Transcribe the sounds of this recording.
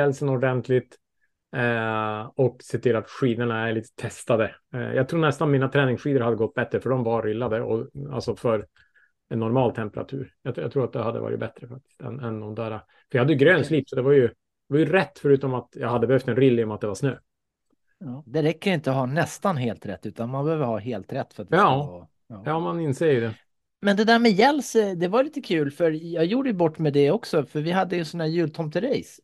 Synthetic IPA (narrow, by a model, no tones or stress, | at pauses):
ɛlsənɔɖɛnt̪ʰlɪt̪ | ɔkseːt̪ʰɪlːat̪ɧiːd̪əɳaæɾɭiːt̪ə̥t̪ʰɛst̪ad̪ə̰jɑ̰ɡt̪ʰɾuːnɛst̪anɔmiːnat̪ʰɾɛːnɪŋsɧiːd̪əɾhad̪ːəɡɔt̪̚ːbɛt̪ːɾəfœɖɔmvaɾːɪlːad̪əɔ̰a̰lsɔfœɾ | ɛnːɔɾmɑːlt̪ʰɛmpəɾa̰t̪ʰʉ̰ːɾjɑa̰t̪ʰɾuːɾat̪d̪ɛhad̪əvɑ̰ːɾɪ̰t̪bɛt̪ɾəfak̚t̪ɪ̥st̪ɛ̰nɛnd̪ɔmd̪æːɾa | fœɾjɑhad̪ːəjəɡɾøːnsliːpsɔd̪ɛvaɾjɵ | d̪ɛvajɵɾɛt̪ːfœɾʉ̟ːt̪ɔmat̪jɑːhad̪ːəbɛhœft̪ɛnɾɪlːɪɔmat̪d̪ɛvasnø̰ː | ɑːd̪ɛɾɛkːəɾɪnt̪əɔɦɑːnɛst̪anɦeːlt̪ɾɛ̰t̪ːʉ̟ːt̪anmanbɛhøːvəɾhɑːɦeːlt̪ɾɛt̪ːfœɾat̪d̪ | ɑːmanɪnseːjd̪ɛ | mɛnd̪ɛd̪æɾmɛjɛlsd̪ɛvajliːt̪əkʰʉ̟ːlfœɾjɑːɡjuːɖəjɵbɔʈːmɛd̪ɛɔksɔfœɾvɪɦad̪ːəjɵnsɔnhæːɾjʉlt̪ʰɔmp̚t̪əɾɛjs